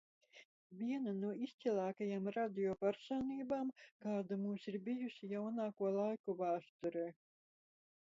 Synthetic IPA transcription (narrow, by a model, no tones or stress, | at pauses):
vʲiɛnanuɔist̪silˠaːkajamɾad̪ʲiɔpæɾsaːniːbaːmkaːd̪amuːsiɾbijusʲijawnaːkuɔlˠajkuvaːst̪ɔɾɛː